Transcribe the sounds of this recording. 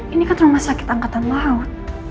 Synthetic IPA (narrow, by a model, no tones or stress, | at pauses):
inikant̪ɾʊŋmasakɪ̥t̪aŋkat̪anlaʊt̪̚